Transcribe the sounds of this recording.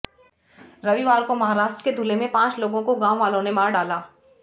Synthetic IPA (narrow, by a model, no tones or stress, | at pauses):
ɾɐʋiʋaːɾkomɐɦaːɾaːʃʈɾəked̪ʱulemẽpãːt͡ʃloːɡõkoɡãːʋaːlõnemaːɾɖaːlaː